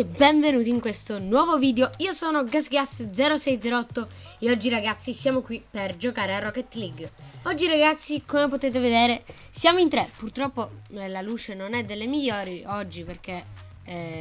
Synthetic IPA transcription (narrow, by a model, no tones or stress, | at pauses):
ebɛɱvenuːt̪iŋkwest̪onwɔːvoviːd̪eoiːosɔːnoɡasɡasd̪zɛːɾosɛjd̪zɛɾoɔt̪ːoeɔd͡ʒːiɾaɡat̪sːisjaːmokwiperd͡ʒokaːɾearɔkːet̪liɡɔd͡ʒːiɾaɡat̪sːikomepot̪eːt̪̬eved̪eːɾe | sjaːmoint̪ɾepurt̪ɾɔpːolaluːt͡ʃenonɛd̪ːelːemiʎːɔːɾiɔd͡ʒːiperke